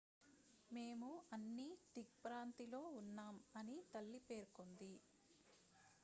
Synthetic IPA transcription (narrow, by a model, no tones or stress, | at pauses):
me̞ːmuɐnːiʈik̚pɾaːnt̪ilo̞ːunːaːmɐnit̪ɐlːipe̞ːɾkond̪i